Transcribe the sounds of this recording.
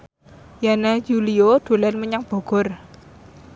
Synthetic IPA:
janad͡ʒulioɖ̪̥o̤lɛnməɲaŋb̥o̤ɡ̥ɔ̤r

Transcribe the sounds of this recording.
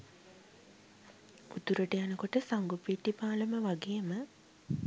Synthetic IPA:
ut̪uɾəʈəjanəkoʈəsaŋɡupiːʈːipaːləməʋaɡejmə

